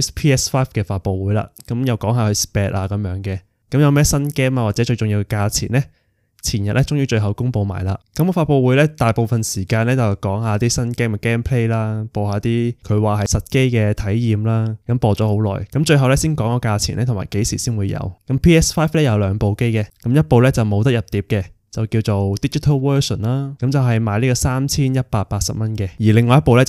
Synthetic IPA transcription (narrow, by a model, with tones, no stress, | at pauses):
pʰiː˥ɛː˥sfaː˥fkɛː˧faː˧t̚po˨˧wuː˨˥jla̰ː˨˩kɐ˨˦˥mjɐ˨wkɔː˨˥ŋɦaː˨˧hɵ˧spɛː˨˧t̚ʔaː˧kɐ˨˧˦mjœː˨˥ŋkɛː˧ | kɐ˨˥mjɐ˨˧wmɛː˥sɐ˥nkɛː˥maː˧waː˨t̚t͡sɛː˨˥t͡ʃɵ˧jt͡sʊ˨ŋji˧wkɛ˧kaː˧t͡sʰḭː˨˩nlɛ˦˥ | t͡sʰiː˨˩njɐ˨t̚lɛ˥t͡sʊ˥ŋjyː˥t͡ʃɵ˧ɥɦɐ˨wkʊ˥ŋpo˨˧wma̰ː˨˩jla̰ː˨˧kɐ˨˥mkfaː˧t̚po˧wu˨˥jlɛː˥t̪aː˨jpo˨wfɐ˨nsiː˨˩kaː˧nlɛː˥t͡sɐ˨wkɔː˨˥ŋɦaː˨˧t̪iː˥sɐ˥nkɛː˥m˧kɛː˥mpʰle˥jlaː˥poː˨˧whaː˨˧t̪iː˥kʰɵ˨˧ɥwaː˨˩hɐ˨jsɐ˨t̚ke˥jkɛː˧t̪ʰɐ˨˥jjiː˨mlaː˥kɐ˨˧˥mpɔː˧t͡sɔː˨˥ho˨˥wlɔ̰ː˨jkɐ˨˥mt͡ʃɵ˧ɥɦɐ˨wlɛ˥siː˥nkɔː˨˥ŋkɔː˧kaː˧t͡sʰi˨˩nlɛ˥t̪ʰʊ˨˩ma̰ː˨˩jke˨˥jsiː˨˩siː˥nwuː˨˧jɐ̰˨˧wkɐ˨˥mpʰiː˥ɛː˥sfaː˥jflɛː˥jɐ˨˧wlœː˨˧ŋpo˨wke˥jkɛ˧kɐ˨˦˥mjɐ˥t̚po˨˧wlɛː˥t͡sɐ˨wmo˨˧wt̪̬ɐ˥k̚jɐ˨p̚t̪iː˨˥p̚kɛ˧ | t͡sɐ˨wki˧wt͡so˨wt̪iː˥t͡ʃi˥t̪ʰɐ˥wwœː˥sɔ̰˨˩nlaː˥kɐ˨˧˥mt͡sɐ˨wɦɐ˨jmaː˨˧jliː˥kɔ˧saː˥mt͡sʰiː˥njɐ˥t̚paː˧t̚paː˧t̚sɐ̰˨p̚mɐ˥nkɛː˧jiː˨˩lɪ˨ŋːɔː˨˧jɐ˥t̚po˨˧wlɛ˥